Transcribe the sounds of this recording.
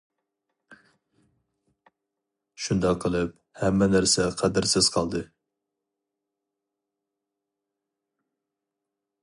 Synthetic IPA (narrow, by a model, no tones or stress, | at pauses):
ʃund̪ɑqʰːəlˠɨp̚ | hɛmːɛnæɾsɛqʰæd̪ɪɾsɪz̥qʰɑlˠd̪ɨ